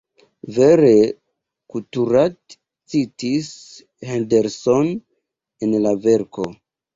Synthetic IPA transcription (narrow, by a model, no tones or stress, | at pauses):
veɾe | kultuɾat | t͡sitis | hendeɾson | enlave̞ɾko̞